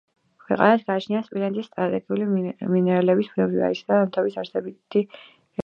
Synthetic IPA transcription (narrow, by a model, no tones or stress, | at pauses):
kʰwɛqʼa̰nasɡaːt͡ʃʰniaspʼilɛnt̪ʼisːt̪ʼɾat̪ʼɛɡiuliminɛɾalɛbispʰɾɔbia̰isd̪aamt̪ʰabisaɾsɛbit̪ʰi